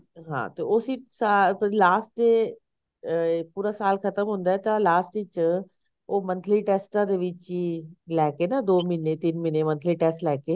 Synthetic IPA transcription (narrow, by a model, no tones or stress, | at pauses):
ɦã̰ːt̪eosisaplaːsʈe | puːɾasaːlkʰət̪əmɦʊ̃ːnd̪aːɛt̪ãlaːsʈɪt͡ʃ | oːmə̃nt̪ʰliːʈɛːsʈãd̪eːʋɪt͡ʃilɛːkenad̪oːmɪnet̪ɪnmɪnemə̃nt̪ʰliːʈɛːsʈlɛːkeː